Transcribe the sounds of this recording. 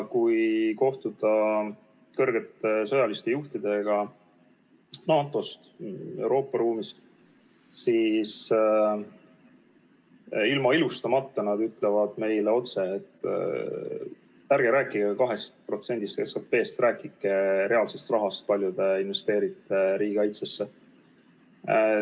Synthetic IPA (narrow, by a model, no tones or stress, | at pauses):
kujko̞ht̪ud̪̥ɑ | kɤrɡ̥e̞t̪ːesɤ̞jɑlist̪e̞juht̪id̪̥e̞ɡ̥ɑ | nɑːt̪ːˑo̞st̪e̞wɾo̞ːpːˑɑɾuːmist̪ | sis | ilmɑilust̪ɑmɑt̪ːɑnɑd̪yt̪le̞vɑd̪̥me̞jleo̞t̪se̞ːt̪ːˑ | æɾɡ̥eɾæːkːˑiɡekɑɦe̞st̪̚pro̞t̪se̞nd̪ist̪keskɑpːe̞ːst̪rʔæːkˑikːˑeɾe̞ɑlse̞st̪rɑɦɑst̪̚pɑlʲjud̪̥e̞inve̞st̪eːɾit̪ːe̞ɾiːɡɑjt̪sesːe